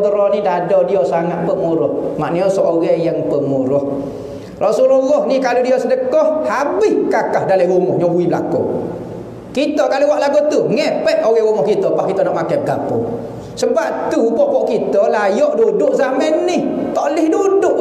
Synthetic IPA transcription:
t̪əɾɔnidadɔdiɔsaŋat̪̚pəmuɾɔhmaʔniɔsɔʔoɣɛjaŋpəmuɾɔh | rʔɔsululːɔhnikaludiɔsədəkɔhhabɪhkakahdalaɣuŋɔhɲɔɦuibəla̰ko̰ | kit̪ɔkaluwaʔlaɡot̪uŋɛpɛʔoɣɛɣuŋɔhkit̪ɔpahkit̪ɔnɔʔmakajpəɡa̰pṵ | səbap̚t̪ubɔʔpɔʔkit̪ɔlajɔʔdudʊʔzamənːɪht̪ɔʔlɪhdudʊʔ

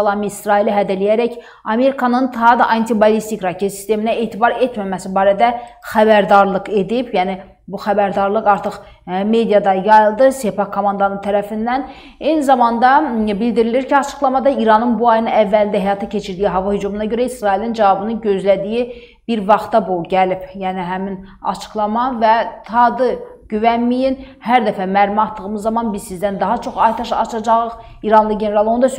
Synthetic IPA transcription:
lˠɑmiːsɾɑiliɦæd̪ælijæɾæc | ɑme̞ɾikʰɑnɯnt̪ʰɑɦɑd̪ɑʔɑnt̪ʰibɑlˠist̪ikɾɑcʰet̪si̥st̪e̞minæeːt̪ʰibɑɾe̞t̪mæmæsibɑːɾæd̪æxæbæɾd̪ɑɾlˠɯke̞d̪ipjæni | buxæbæɾd̪ɑɾlˠɯkɑɾt̪ʰɯχ | me̞d̪ijɑd̪ɑjɑjɯlˠd̪ɯsepɑkʰːomɑnd̪ɑnɯnt̪ʰæɾæfind̪æn | e̞jnizɑmɑnd̪ɑbild̪iɾiliɾcʰiɑt͡ʃʰɯ̥xlˠɑmɑd̪ɑiɾɑnɯnbuɑjɯnɯævːælind̪æɦɛjɑt̪ʰɑcʰe̞t͡ʃʰiɾd̪ijiɦɑvɑhyd͡ʒumunɑɟø̞ɾæisɾɑilind͡ʒævɑbɯnɯnɟø̞zlæd̪iji | b̥iɾvɑχt̪ɑbuɟælipjæːniɦæmin | ɑ̰t͡ʃʰɯ̥klˠɑmɑvæt̪ʰɑd̪ɯɟyvænmijin | hæɾd̪æfæmæɾmɑt̪ːɯɣɯmɯzːɑmɑnbizsizd̪ænd̪ɑɦɑt͡ʃʰo̞χɑjt̪ʰɑʃɑ̰t͡ʃʰɑd͡ʒɑʁɯχ | iɾɑnlˠɯɟene̞ɾɑlˠo̞nud̪ɑs

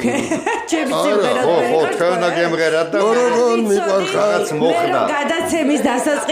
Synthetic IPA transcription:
t͡ʃʰɛmiaɛɾaɛɔɔt̪ʰɛvnaɡɛmʁɛɾad̪̚d̪aɔɾɔɡɔlmikʼwaɾχaat̪smɔkʰd̪a̰ɡad̪at̪sʰɛmisd̪asat̪sʼqʼi

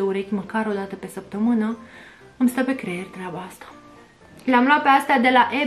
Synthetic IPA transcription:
euɾekʲməkaɾo̞d̪at̪əpe̞səp̚t̪əmɨnə | ɨmst̪əpe̞kɾe̞erʲt̪ɾʲabaast̪ḁ | leamlowat̪̚peast̪ejad̪e̞laʔe̞

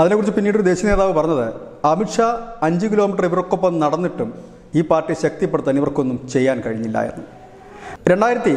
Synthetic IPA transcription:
ɐðinekːurit͡ɕːɨpinːiːɽud̪e̞ːɕiɐne̞ːðaːʋɨpɐrɐɲːɐðɨ | ɐmiʈʂaɐɲd͡ʑɨkiloːmiʈːɐriʋiɾokːopːɐmnɐɽɐnːiʈːum | iːpaːrʈːiɕɐk̚t̪ipːeɽut̪ːɐniʋɐrko̞nːumt͡ɕe̞jːaːnkɐɻiɲːilːɐ̰ːjḭnːu | ɾe̞ɳɖaːjiɾɐt̪ːi

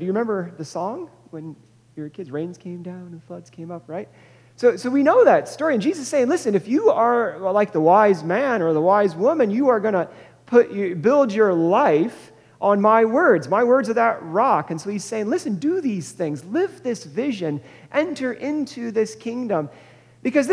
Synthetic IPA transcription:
d̥ɨjɨɹɨmɛ̃mbə˞ðɨsɔ̃ŋ | wɨ̃n | jə˞kʰɪdzɹẽɪ̃nz̥kʰẽɪ̃mdãʊ̃nɨ̃nflʌdz̥kʰẽɪ̃mʌp̚ɹaɪt̚ | soʊsoʊwinoʊðɨtstɔɹiɨ̃nd͡ʒizɨseɪɪ̃ŋlɪsɨ̃nɨfjɨə˞laɪk̚ðəwaɪzmæ̃nə˞ðəwaɪzwʊmɨ̃njɨə˞ɡʌñə | pʰʊt͡ʃɨbɪlˠd͡ʒə˞laɪf | ʔə̃nmaɪwɜ˞dzmaɪwɜ˞dzə˞ðəʔ̚ɹɑkɨ̃nsoʊiz̥seɪɪ̃ŋlɪsɨ̃ndɨðiz̥θɪ̃ŋzlɪvðɪsvɪʒɨ̃n | ʔɛ̃ntʰə˞ʔɪ̃ntʰʉðɪskʰɪ̃ŋdə̃m | b̥ɨkʌzð

